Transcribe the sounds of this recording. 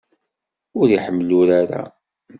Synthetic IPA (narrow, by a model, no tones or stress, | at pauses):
ʊɾjiħəmːlʊɾaɾa̰